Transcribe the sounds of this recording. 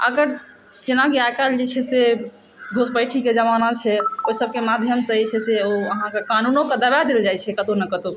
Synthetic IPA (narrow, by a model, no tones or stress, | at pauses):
ə̰ɡəɾ | d͡ʒenakiajkald͡ʒet͡ʃʰɛse | ɡʱospəɪʈʰiked͡ʒəmanat͡ʃʰɛoisəb̚kemad̪ʱjəmsəɦit͡ʃʰɛseoəɦãkekanunoked̪əbad̪eld͡ʒajt͡ʃʰɛkət̪onəkət̪o